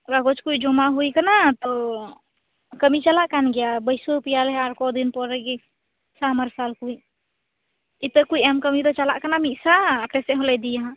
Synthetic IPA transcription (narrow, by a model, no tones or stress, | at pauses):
ɡaɡot͡ʃkuid͡ʒomaɦujkənat̪ɔ | kəmit͡ʃəlaʔkanɡejabəɪsopijalɛaɾkɔd̪inpɔɾɛɡe | saməɾsalkui | it̪əkuiɛmkəmit̪ɔt͡ʃala̰ʔkanamisaəkɾeseɦolɛd̪ijaɦ